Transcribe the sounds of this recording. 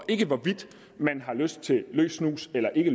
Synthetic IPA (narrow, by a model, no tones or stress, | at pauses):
ʔe̝ɡ̥əʋɒʋid̥ | mænɦɑ̈løsd̥̚t͡sʰe̝lø̰ːsnṵːselɐʔe̝ɡ̥əl